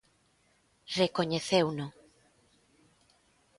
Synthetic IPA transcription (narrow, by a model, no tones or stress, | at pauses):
rekoɲeθewnʊ